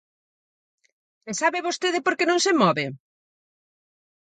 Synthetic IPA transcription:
esaβɪβost̪eðɪpoɾkenõŋsemɔβɪ

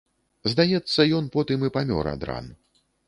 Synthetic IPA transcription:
zd̪ajɛt̪sːɐjɔnpɔt̪ɨmɨpamʲɔ̰ɾɐ̰d̪ɾa̰n

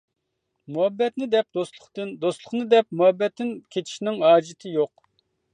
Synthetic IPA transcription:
muɛbːɛt̪nɪd̪ɛp̚d̪oslˠʊχt̪ɨnd̪ost̪lˠʊχnɨd̪ɛp̚muɛbːɛt̪ːɪnkʲʰet͡ʃ̪ʰi̥ʃnɪŋhɑːd͡ʒɪt̪ʰɪjoq̚

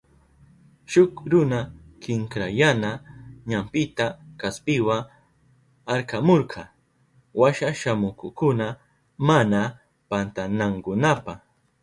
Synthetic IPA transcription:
ʃʊkɾʊna | kɪŋkɾajanaɲampɪt̪akaspɪwa | aɾkamoɾqʰɑ | waʃaʃamʊkʊkʊna | mana | pant̪anaŋkʊnapɑχ

